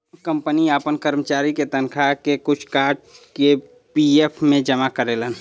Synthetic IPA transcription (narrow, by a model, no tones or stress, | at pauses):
kə̃mpəniaːpənkəɾmət͡ʃaːɾiket̪ənkʰakekʊt͡ʃʰkaːɾɖ̚ke | piepʰmẽd͡ʒəmakəɾeːlən